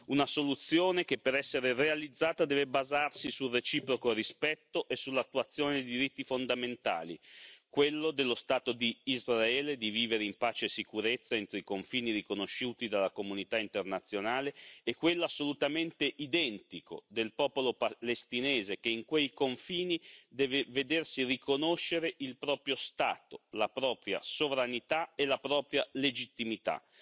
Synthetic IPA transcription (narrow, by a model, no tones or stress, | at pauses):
unasolut̪sːjoːnek̟epːeɾɛsːeɾerealid̪zːaːt̪ad̪ɛːvebazarsisulret͡ʃiːpɾokoɾispɛt̪ːoʔesulːat̪ːuat̪sːjoːned̪id̪iɾit̪ːifond̪ament̪a̰ːlḭkwelːod̪elːost̪aːt̪od̪iːzraɛːled̪iviːveɾeimpaːt͡ʃesikuɾet̪sːaɛnt̪ɾoikoɱfiːniɾikonoʃːuːt̪id̪alːakomunit̪aint̪ernat̪sːjonaːleːkːwelːoasːolut̪ament̪eʔid̪ɛnt̪iko̰d̪elpɔːpolopalest̪ineːzekeiŋkwejkoɱfiːnid̪ɛːveved̪ersirikonoʃːeɾeʔilpɾɔːpɾjost̪a̰ːt̪olapɾɔːpɾja̰sovɾanit̪aelapɾɔːpɾjaled͡ʒit̪ːimit̪a̰